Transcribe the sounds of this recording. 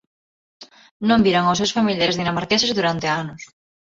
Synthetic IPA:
nõmbiɾaŋaws̬ewsfamiljaɾezðinamaɾkesezðuɾant̪eanʊs

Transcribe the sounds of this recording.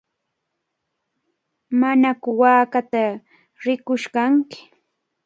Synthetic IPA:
manakʊwaːkat̪a | ɾɪkʊʃkaŋkɪ̥

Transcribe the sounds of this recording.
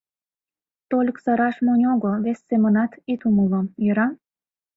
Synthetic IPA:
t̪olʲkzɑɾɑʃmonʲoɡoβesːemə̆nɑt̪it̪uməlojøɾɑm

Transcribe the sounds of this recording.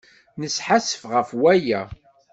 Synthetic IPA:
nəsħasə̥fʁəfwæjæ

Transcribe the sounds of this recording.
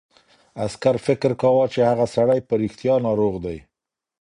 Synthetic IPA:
askaɾfɪkɾkawɑt͡ʃehaɣasaɽajpəɾixt̪jɑnɑɾoɣd̪aj

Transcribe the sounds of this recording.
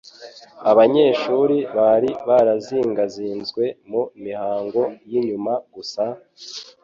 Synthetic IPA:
aβaɲe̞ːʃuːɾiβaɾiβaɾaziːŋɡaziːnzɡwe̞mumihaːŋɡo̞jiɲumaɡusa

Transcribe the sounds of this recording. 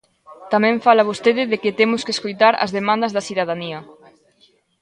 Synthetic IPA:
t̪amɛ̃ɱfalaβ̞ost̪eðɪðekɪt̪emʊskeskojt̪aɾɐ̰zðemãnd̪ɐzðɐsθiðaðaniɐ

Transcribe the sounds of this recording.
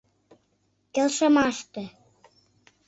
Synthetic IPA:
kelʃə̆mɑʃt̪ĕ

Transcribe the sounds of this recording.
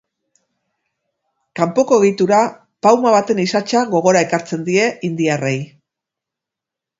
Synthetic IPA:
kampo̞ko̞eɣ̞it̪uɾa | pawmaβ̞at̪e̞nisat͡ʃaɣo̞ɣ̞o̞ɾae̞kaɾt͡se̞nd̪ie̞ind̪iare̞j

